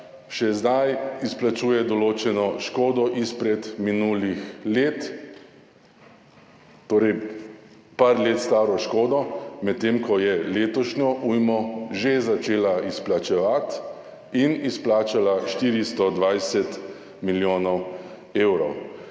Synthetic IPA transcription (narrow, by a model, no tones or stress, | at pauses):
ʃɛzd̪ajisplat͡ʃuːjɛd̪ɔloːt͡ʃɛnɔʃkoːd̪ɔʔispɾɛt̪minuːlixleːt̪ | t̪oːɾɛj | paɾleːt̪st̪aːɾɔʃkoːd̪ɔmɛt̪t̪ːeːmkɔjɛleːt̪ɔʃɲɔʔujmɔʒezat͡ʃeːlaisplat͡ʃɛʋat̪ | inisplaːt͡ʃalaʃt̪iːɾist̪ɔd̪ʋajsɛt̪ | miljoːnɔw | eːwɾɔw